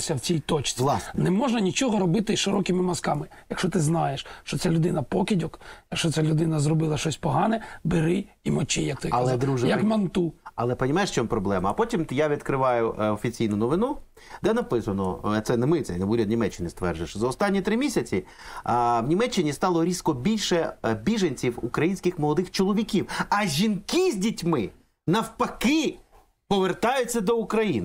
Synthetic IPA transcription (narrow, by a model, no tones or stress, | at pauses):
sʲɐwt͡sʲijʲt̪ɔt͡ʃt͡s̪ʲlˠɑsnɛmɔʒnɐnʲit͡ʃɔɦɔɾɔbɪt̪ɪʃɪɾɔkɪmɪmɐskɑmɪjɐkʃɔt̪ɪznɑjeʃt͡ʃɔt͡sʲalʲʊd̪ɪnɐpɔkʲɪdʲɔkjɐkʃt͡ʃɔt͡ssʲalʲʊd̪ɪnɐzrɔbɪlˠɐʃt͡ʃɔsʲpɔɦɑnɛbɪɾɪimɔt͡ʃɪjɐkt̪ɪlˠɛd̪ɾuʒjɐkmɐnt̪uɐlˠɛpɐnʲimajɪʂʃt͡ʃɔmpɾɔblˠɛmɐːpɔtʲimt̪jaʋʲid̪kɾɪʋɑjʊɔfʲit͡sʲijnʊnɔʋɪnu | d̪ɛnɐpɪsɐnɔ̰t̪sɛnɛmɪt̪ɛ̰nuɾʲɐd̪nʲimɛt͡ʃːɪnɪst̪ʋɛ̰rʒɪʃzɐɔst̪ɑnʲːit̪ɾɪmʲisʲɐt͡sʲi | wnʲimɛt͡ʃːɪnʲist̪ɑlˠɔɾʲiskɔbʲilʲʃɛbʲiʒɐnʲt͡sʲiwṵkɾɐjinʲsʲkɪxmɔlˠɔd̪ɪxt͡ʃɔlˠɔʋʲikʲiwɐʒʲinkizʲdʲitʲmɪ | nɐwpɐkɪ | pɔʋert̪ɑjʊt͡sʲːɐd̪ɔukɾɐjinɪ